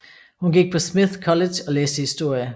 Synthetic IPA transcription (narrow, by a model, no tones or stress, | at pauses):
hunɡiɡ̥̚pʰɒ̽smiðˠkʰɒ̽le̥ɒ̽leːsd̥əhisd̥o̝ɐ̰jə